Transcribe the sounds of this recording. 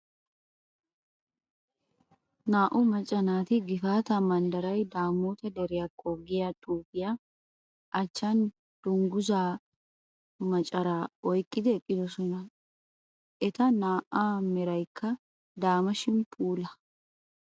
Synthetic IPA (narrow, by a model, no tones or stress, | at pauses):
naːʔʊmɐt͡ʃʼɐnaːt̪ɪɡɪfaːt̪ɐmɐnd̪ɐɾɐjd̪aːmoːt̪ɐd̪ɛɾɪɐkʼːoɡɪjat̪ʼuːɡɪja | ʔɐt͡ʃːan | d̪̥ʊŋɡʊzaː | mɐt͡ʃʼɐɾaːɔjkʼːɪd̪ɛkʼːɪd̪ʊsɔnɐ | ʔɛt̪ɐnaːʔaːmɛɾɐjkːɐ | d̪aːmɐʃɪmpʼuːlɐ